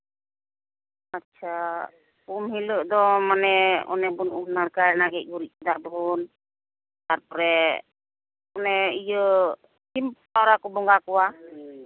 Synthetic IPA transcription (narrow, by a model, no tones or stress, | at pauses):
atːt͡ʃʰa | pumɦiləʔd̪ɔmanɛɔ̰nɛbunʔuɦnaɽkanaɡɛc̚ˀɡuɾit̚d̪abʱun | t̪aɾpɔɾɛ | ɔnɛijə | t͡ʃimpʰaɾakɔbɔŋɡakɔwa